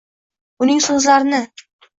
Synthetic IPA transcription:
ʊnɪŋsɵzlaɾɪnɪ

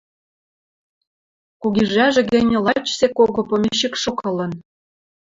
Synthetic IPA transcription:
kuɣiʒæʒɘ̆ɣĕnʲĕlɑt͡ɕsekoɣopomʲeɕikʃokɤ̆lɤ̆n

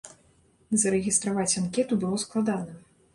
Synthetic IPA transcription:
zɐɾɛɣʲist̪ɾavat͡sʲankʲɛt̪ubɨlˠɔsklˠad̪anɐ

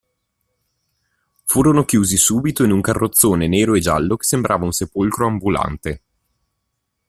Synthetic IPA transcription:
fuːɾonokjuːzisuːbit̪oinuŋkarːʔot̪sːoːneneːɾoed͡ʒalːoke̥sembɾʔaːvaunsepolkɾoambula̰nt̪e

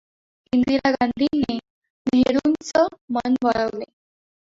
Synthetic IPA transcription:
inɡd̪iɾaɡand̪ʱine | meɾunt͡səmənbəɭəʋlḛ

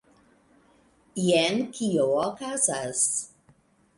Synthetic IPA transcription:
iɛnkʰiookazas

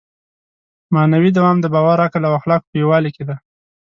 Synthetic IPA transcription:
mɑnawid̪awɑmd̪əbɑwaɾakalawaxlɑkpəjowɑliked̪a

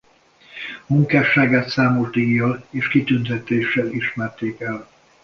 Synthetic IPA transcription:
muŋkaːʃaːɡaːt̪saːmo̞ʒd̪iɡjːɒleːʃkit̪ynt̪ɛt̪eːʃɛliʃmɛrt̪eːkɛl

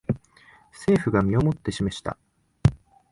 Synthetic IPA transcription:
se̞ːɸɯ̟ɡamʲio̞mo̞t̪ːe̞ɕimeɕi̥t̪a̰

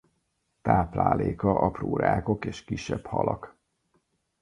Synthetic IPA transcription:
t̪aːplaːleːkɒʔɒproːɾaːko̞keːʃkiʃːɛphɒlʔɒk

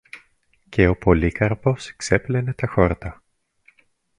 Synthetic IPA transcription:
ce̞o̞po̞likɐɾpo̞skse̞plenet̪ɐxo̞ɾt̪ɐ

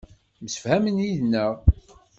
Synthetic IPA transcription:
məsə̥fhæmənjiðnːəʁ

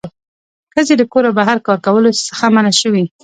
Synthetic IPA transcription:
xəzed̪əkoɾabaɦaɾkɑɾkawəlosə̥xamanaʃəwi

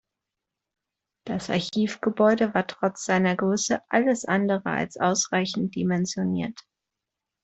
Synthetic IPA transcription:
d̥asʔa̰ɐçiːfɡ̥əbɔʏdəvaːɐtʁ̥ɔt͡sz̥aɪnɐɡʁʏsəʔaləsʔandəʁə̰a̰lsʔaʊsʁ̥aɪçn̩t̚d̥imɛnzjoniːɐt

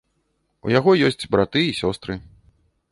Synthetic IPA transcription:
ṵjaɣɔjɔsʲt͡sʲbɾat̪ɨisʲɔst̪ɾɨ

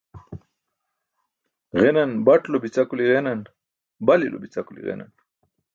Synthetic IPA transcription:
ɣenanbaʈlobit͡sakuliɣenan | balilʔo̰bit͡sakulḭɣḛna̰n

